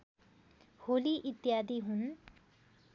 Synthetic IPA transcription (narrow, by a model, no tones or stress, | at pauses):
holiʔit̪jad̪iɦun